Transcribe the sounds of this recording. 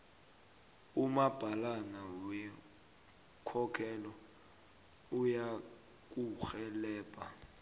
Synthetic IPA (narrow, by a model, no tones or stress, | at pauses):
umab̥ʱalanawɛ | kʰɔkʰɛlɔ | uja | k̬ʼuxɛlɛːpʼa̰